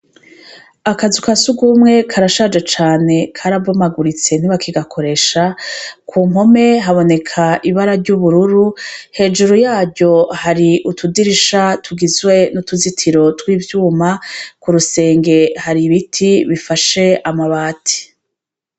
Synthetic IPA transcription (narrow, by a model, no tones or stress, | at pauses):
akazukasuɡumŋe̞kʰaɾaʃad͡ʒet͡ʃaːne̞kʰaɾabomaɡuɾit͡se̞n̥iβakiɡakʰo̞ɾe̞ʃakʰuːmho̞me̞ɦaβo̞ne̞kʰaʔiβaɾaɾɟuβuɾuɾuhe̞ːd͡ʒuɾujaːɟo̞haɾiʔutʰudiɾiʃatʰuɡizwe̞nutuzitʰiɾo̞twiːvjuːmakuɾuse̞ːŋɡe̞haɾiβitʰiβifaʃe̞amaβaːtʰi̥